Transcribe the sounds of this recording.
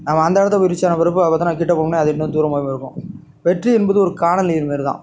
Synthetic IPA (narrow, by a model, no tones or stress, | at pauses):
naːmɐɐnd̪ɐːɽɐt̪ːɐʊɾɪt͡ʃːaːnɐʋɐɾɯpːɯɐpːɐt̪ːãnaːkɪʈːɐpoːɽnːeɐðɪʈːnːɯ̃d̪uːɾɐmoːjɐ̃mɪɾɯkːʊ̰̃ | ʋɛʈriɛnboːðɯɔɾɯkaːɳɐnliːɾmeːɾɯt̪ã̰ː